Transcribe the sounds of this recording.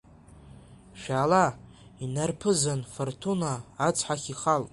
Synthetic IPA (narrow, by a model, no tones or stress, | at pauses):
ʃᶣaːla | inarpʰɨzanfortʰunaːt͡sʰħaχʲiχalʼ